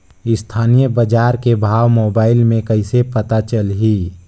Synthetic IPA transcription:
ɪst̪ʰaːnijəbəd͡ʒaːɾkebʱaːʋmoːbaːɪlmẽkəɪsepət̪at͡ʃəlɦi

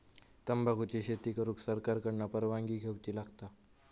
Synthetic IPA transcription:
t̪əmbʱaɡʱut͡ɕiɕet̪iːkəɾuːksəɾkaɾkəɽɳapəɾʋãŋɡiːɡʱewt͡ɕiːlaɡt̪a

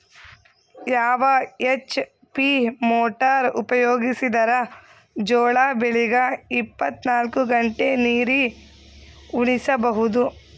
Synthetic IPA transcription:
jaːʋɐet͡ʃː | pimoːʈaɾṵpɐjoːɡisid̪ɐɾɐ | d͡ʒɔːɭaːbeɭiɡɐipːɐt̪naːlkuɡɐɳʈeniːɾi | uɳisɐbɐɦud̪u

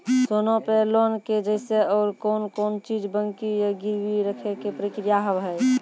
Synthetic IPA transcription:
soːnõpelɔnked͡ʒəɪseɔːɾkɔːnkɔːnt͡ʃiːd͡ʒbəŋkijaɡɪɾwiɾəkʰekepɾikɾijaɦəbɦɛː

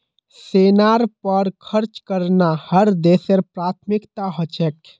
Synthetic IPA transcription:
seːnaːɾpəɾkʰəɾt͡ʃkəɾnahəɾd̪eːseɾpɾaːt̪ʰmɪkt̪aɦət͡ʃɛk

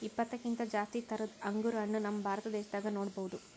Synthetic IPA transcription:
ipːɐt̪ːɐkːint̪ɐd͡ʒaːst̪it̪ɐɾɐɐŋɡuɾɐɳːunɐmːɐbʱaːɾɐt̪ɐd̪ɛːʃɐd̪aːɡɐnoːɽɐbɐʋud̪u

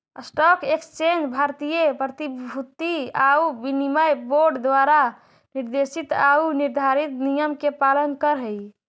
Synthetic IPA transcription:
əsʈɔkekst͡ʃend͡ʒbʱaɾt̪ijəpɾət̪ibʱut̪iaubinimajboɾɖd̪waɾa | niɾd̪esit̪auniɾd̪ʱaɾit̪nijəmkepalənkəɾɦəi

